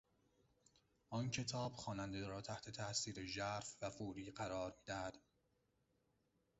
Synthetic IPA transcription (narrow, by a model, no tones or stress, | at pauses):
ʔɒncʰe̞t̪ʰɒːb̥xɒːnænd̪eɾɒːt̪ʰæht̪ʰe̞t̪ʰæʔsiːɾeʒæɾfvæfuːɾiːɢæɾɒːɾmiːd̪æhæd̪̥